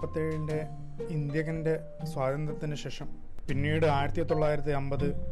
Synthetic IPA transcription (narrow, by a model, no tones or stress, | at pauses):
pɐt̪ːeɭinde̞ | ind̪jɐɣɐnde̞ | swaːd̪ɐnd̪rɐt̪ːinɨɕe̞ːʂɐm | pinːiːɽɨaːjɾɐt̪jɐt̪o̞ɭːaːjiɾɐt̪ːiembɐðɨ